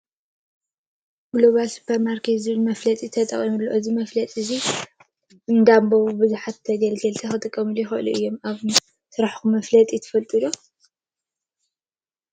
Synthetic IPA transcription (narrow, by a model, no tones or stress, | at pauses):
ɡlo̞βalsu̥pʰɐɾmaɾkʰet̪zɨβɨlmɐflɐt̪ʼit̪ʰɐt̪ʼɐ̰χʼimulːo̰ʔɨzimɐflɐt̪ʼɨzi | ɨnd̪amboβbɨzuħat̪ʰːɐɡɐlɡɐlt̪ʰɐxɨt̪ʼɨkʼːɐmɨljɪxɐʔɨluʔɨjːomaβ | sɨɾaħkumɐflɐt̪ʼit̪ʰɐ̥fɐlt̪ʼulo